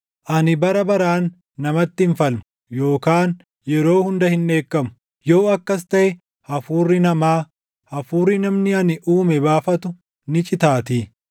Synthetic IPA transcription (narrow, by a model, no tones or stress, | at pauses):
ʔɐnɪbɐɾɐbɐɾaːnː | ɐmɐt̪ːɪnfɐlmʊ | jo̞ːkaːn | jɛɾo̞ːhʊnd̪ɐhɪnːe̞ːkːɐmʊ̥ | joːɐkːɐs̬t̪ɐʔɛ | hɐfuːrːɪnɐmaː | hɐfuːrːɪnɐmnɪɐnɪʔuːmɛbaːfɐt̪ʊ | nɪt͡ʃʼɪt̪aːt̪iː